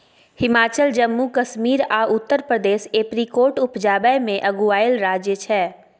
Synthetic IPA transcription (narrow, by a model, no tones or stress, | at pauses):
hɪmaːt͡ʃəld͡ʒəmːukəʃmiːɾaːʔʊt̪ːəɾpɾəd̪eːʃeːpɾikoːɾʈʊpd͡ʒaːbəjmẽʔɐɡuaːɪlɾaːd͡ʒjət͡ʃʰɛː